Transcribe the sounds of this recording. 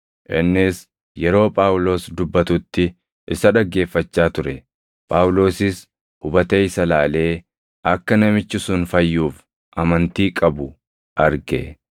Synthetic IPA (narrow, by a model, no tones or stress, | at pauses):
ʔɪ̰nːɪs | jɛɾo̞ːpʼaːwlo̞ːsd̪ʊbːɐt̪ʊt̪ːɪ | ʔɪsɐᶑɐɡːe̞ːfːɐt͡ʃːaːt̪ʊɾɛ | pʼaːwlo̞ːsɪs | hʊbɐt̪eːɪsɐlaːle̞ː | ɐkːɐnɐmɪt͡ʃːɪsʊnfɐjːuːf | ʔɐmɐnt̪iːkʼɐbʊ | ʔɐɾɡɛ̰